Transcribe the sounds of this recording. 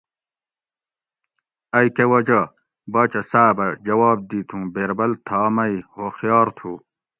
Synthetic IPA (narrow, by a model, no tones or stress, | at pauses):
ɐjkewɐd͡ʑɐ | bɐːt͡ɕɐsaːbɐd͡ʑɐwɑːb̚d̪iːt̪ʰũːbeːɾbɐlt̪ʰɑːmɐihoxjɑːɾt̪ʰuː